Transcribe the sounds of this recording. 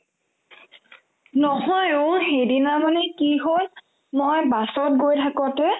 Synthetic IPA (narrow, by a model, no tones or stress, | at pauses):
nɔɦɔjoxejdinamanɛkiɦol | mojbasɔt̚ɡojtʰakɔ̃tɛ